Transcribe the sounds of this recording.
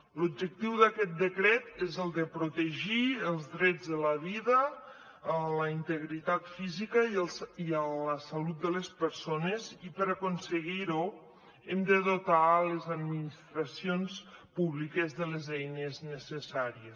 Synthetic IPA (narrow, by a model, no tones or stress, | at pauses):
lub̚d͡ʒək̚t̪iwðakɛt̪̚d̪əkɾɛt̪ezəlˠd̪əpɾut̪əʒiəlˠzðɾɛd͡zðələβiðəː | ləint̪əɣɾit̪at̪fizikəiələsalut̪̚d̪əlespəɾsonezipəɾakunsəɣiɾu | emd̪əðot̪alezad̪minist̪ɾasionspuβlikezðəlezɛjnəznəsəsaɾies